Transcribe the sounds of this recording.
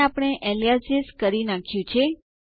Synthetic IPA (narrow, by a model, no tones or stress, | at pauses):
apɳ̃eʔeliasiskəɾinakʰjũt͡ʃʰe